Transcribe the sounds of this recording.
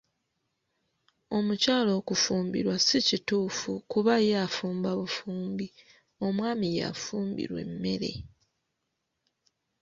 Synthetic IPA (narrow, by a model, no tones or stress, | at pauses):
o̞mucaːlo̞ːkufuːmbḭɾwasicituːfukuβajafuːmbaβufuːmbi | o̞mwaːmija̰fuːmbḭɾwe̞̰mːe̞̰ɾe̞̰